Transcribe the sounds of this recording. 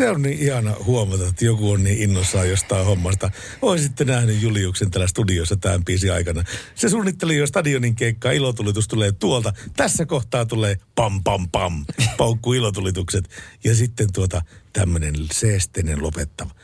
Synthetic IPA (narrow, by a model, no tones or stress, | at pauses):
seonniːihɑnɑhuomɑt̪ɑt̪ːjokuonniːinːosːɑːjost̪ɑihomːɑst̪ɑ | oissit̪ːenæhnyjjuliuːksent̪æːlæst̪udiosːɑt̪æːmpiːsiɑ̰ikɑnɑsesuːnːit̪ːelijost̪ɑdioniŋkeikːɑːilot̪ulit̪ust̪uleːt̪uolt̪ɑt̪æsːækoht̪ɑːt̪uleːpɑmpɑmpɑmpɑukːuilot̪ulit̪ukset̪jɑsit̪ːent̪uot̪ɑt̪æmːønenseːst̪ˑeinenlopet̪ːɑʋɑ